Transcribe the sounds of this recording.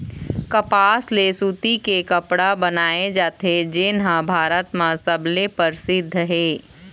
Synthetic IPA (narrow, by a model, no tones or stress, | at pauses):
kɐpaːslesuːt̪ikekɐpɽabɐnaːed͡ʒaːt̪ʰed͡ʒɪnɦãbʱaːɾət̪mãsɐblepəɾsɪd̪ʱːəɦɛː